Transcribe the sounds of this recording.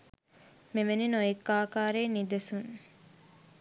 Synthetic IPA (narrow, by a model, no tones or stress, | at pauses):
meʋeninojekːaːkaːɾeːnid̪ɐsuŋ